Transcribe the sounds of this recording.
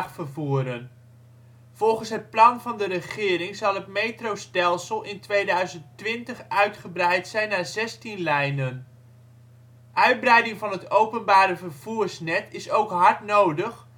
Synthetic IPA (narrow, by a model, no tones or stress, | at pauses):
χfəɹvuːɾən | v̥ɔlˠχənsɦət̚plɑnvɑndərəχɪːɾɪŋzɑlˠətmejtrowstɛlˠsəlˠɪntʋejdœɥzəntʋɪntəχœɥtχəbrɛjtsɛjnːaːzɛstinlɛjnən | ʔœɥd̚brɛjdɪŋvɑnɦətowpənbaːɾəvəɹv̥uːɹsnɛtɪsowkɦɑɹtnowdəχ